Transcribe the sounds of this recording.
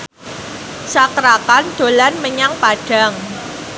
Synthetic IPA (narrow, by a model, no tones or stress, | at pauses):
sakɾakand̪̥o̤lanməɲaŋpaɖ̥a̤ŋ